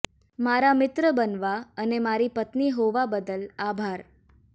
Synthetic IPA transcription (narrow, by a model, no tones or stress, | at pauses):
maɾamɪt̪ɾəbənʋaənemaɾipət̪niɦoʋabəd̪əlabʱaɾ